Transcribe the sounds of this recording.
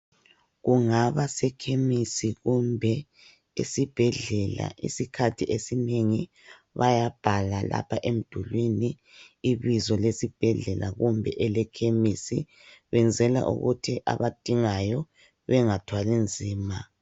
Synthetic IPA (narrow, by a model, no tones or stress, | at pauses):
ɣuŋaβasɛkʰemisiɣumbʱɛ | ḛsib̥ʱɛɮɛla̰ʔḭsikʰatʰiesineŋi | βajab̥ʱalala̰pʰaʔem̩d̥ʱulwiniː | βizɔlesib̥ʱɛɮɛlaɣumbʱɛʔɛlɛkʰemisḭ | βɛnd͡zʱɛla̰ʔṵɣutʰiʔa̰βad̥ʱiŋajɔ | βɛŋatʰwalind͡zʱiːma